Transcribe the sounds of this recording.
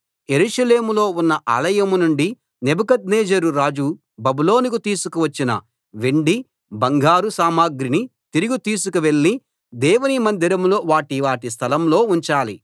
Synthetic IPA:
jeɾuʂɐleːmulo̞ːunːɐʔa̰ːlɐjɐmunuɳɖi | nebukɐd̪neːd͡ʒɐɾuɾaːd͡ʒu | bɐbuloːnikut̪iːsukuʋɐt͡ʃːinɐ̰ | ʋeɳɖi | bɐŋɡʱaːɾusaːmaːɡɾinit̪iɾuɡut̪iːs̬ukuʋe̞ɭːi | d̪ɛːwunimɐnd̪ʱiɾɐmlo̞ːʋaːʈiʋaːʈis̬t̪ʰɐlɐmlo̞ːuɲt͡ʃaːli

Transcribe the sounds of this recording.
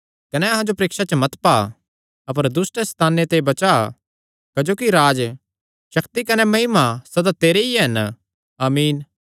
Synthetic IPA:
kɐnɛɐɦãd͡ʒopɾeːkʃat͡ʃəmɐt̪pa | ɐpəɾd̪ʊsʈɛst̪ʰaːnːet̪ebɐt͡ʃa | kɐd͡ʒoːkiɾaːd͡ʒ | ʃɐkt̪ikɐnɛmɐɦɪmasɐd̪at̪eːɾeiɦɐn | aːmiːn

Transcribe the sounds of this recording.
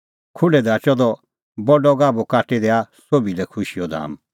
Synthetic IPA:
kʰʊɖɛd̪aːt͡ʃɔd̪ɔ | bɔɖɔɡaːbokaːʈed̪ɛasobilɛkʰʊʃiɔd̪a̰ːm

